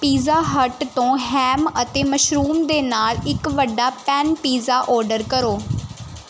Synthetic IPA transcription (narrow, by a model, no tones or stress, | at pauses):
piːzaːɦəʈt̪õːɦɛːmət̪eːməʃɾuːmd̪eːnaːlɪkʋəɖːaːpɛːnpiːzaːʔɔːɾɖəɾkəɾoː